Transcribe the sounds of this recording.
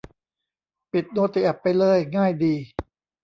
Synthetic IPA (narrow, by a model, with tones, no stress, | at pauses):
pi˨˩t̪̚noː˧t̪i˨˩ʔa˨˩pːa˧jlɤː˧˩jŋaː˥˩jdiː˧